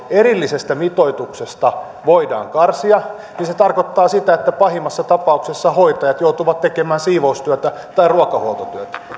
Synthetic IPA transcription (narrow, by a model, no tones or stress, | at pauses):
erilːisest̪æmit̪oit̪uksest̪ɑ | ʋoidɑ̰ːŋkɑrsiɑ | ninset̪ɑrkot̪ːɑːsit̪æet̪ːæpɑhimːɑsːɑt̪ɑpɑuksesːɑhoit̪ɑjɑt̪jout̪uʋɑt̪t̪ekemæːnsiːʋoust̪yøt̪æ | t̪ɑiruɑkɑhuolt̪ot̪yøt̪æ̥